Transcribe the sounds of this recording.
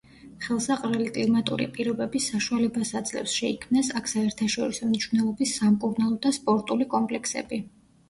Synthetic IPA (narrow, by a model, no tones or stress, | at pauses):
χɛlˠsaqʼɾɛlikʼlimat̪ʼṵɾḭpʼiɾɔbɛbisːaʃualɛbasad̪zlɛ̰fsʃɛikʰmnasakʰsaɛɾt̪ʰaʃɔɾisɔmniʃwvnɛlˠɔbisːamkʼuɾnalˠɔd̪aspʼɔɾt̪ʼulikʼɔmpʼlɛkʰsɛ̰bi